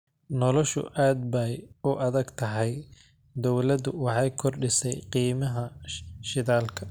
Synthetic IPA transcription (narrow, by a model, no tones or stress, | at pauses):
nɔlɔʃʊ̰ʔaːd̪bɐjʊʔɐðɐɡt̪ʰɐɦɛj | d̪ɔwlɐd̪ʊwɑħɑjkʰɔrɖɪsɛjqiːmɐɦɐʃɪðaːlkʰɐ̥